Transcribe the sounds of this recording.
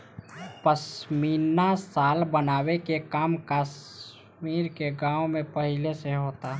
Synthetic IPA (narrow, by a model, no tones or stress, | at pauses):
pəsmiːɾnasaːlbənaːwekekaːmkaːs | miːɾkeɡãːõmẽpəɦɪleseɦoːt̪a